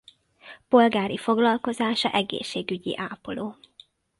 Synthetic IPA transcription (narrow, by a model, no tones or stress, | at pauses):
po̞lɡaːɾifo̞ɡlɒlko̞zaːʃɒ̰ʔɛɡḛːʃːeːɡyɟḭʔaːpoloː